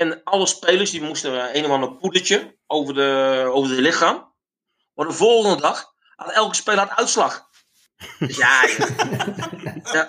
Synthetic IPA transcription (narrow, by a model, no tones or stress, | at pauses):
ɛnɑlˠəspejlərsdimustəejnəandəpudət͡ʃə | owvərəowvərdəlɪxaːm | ʋɔdəvolˠɣəndədɑx | ha̰tɛlˠkə̥speːləatœɥtslɑx | ja | a